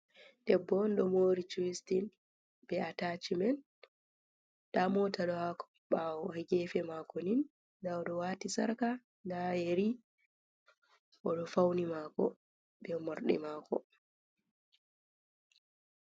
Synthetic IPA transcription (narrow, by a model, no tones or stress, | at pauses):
d̥ɛbːɔnɗɔmoːɾit͡ʃuwistin | bɛataːt͡ʃimɛn | d̥amɔtaɗɔhakɔ | ɓawɔhɛɡɛfɛmaːkɔnin | dawɗɔwaːtisaɾka | najeɾi | ʔɔɗɔfawnimaːkɔ̰ | bɛmoɾɗḭmaːkɔ̰